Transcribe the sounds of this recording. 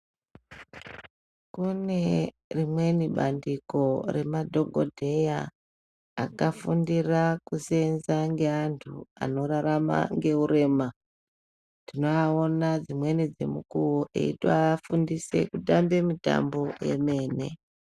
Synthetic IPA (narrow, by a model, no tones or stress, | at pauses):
kune̞ | rimwe̞niɓandiko̞re̞madʱo̞ɡʱo̞̰dʱe̞jaː | kafundirakuse̞nzaŋɡe̞antʰua̰no̞ɾaɾama̰ŋɡe̞uɾe̞ːma | tino̞aonad͡zimwe̞nid͡ze̞̰mukuwoʔḛḭtaːfundise̞̰kutambe̞mita̰mbo̞je̞̰me̞ːne̞̰